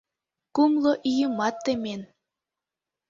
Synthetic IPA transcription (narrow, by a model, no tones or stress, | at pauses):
kumlˠoʔijɯmɑt̪ːemʲen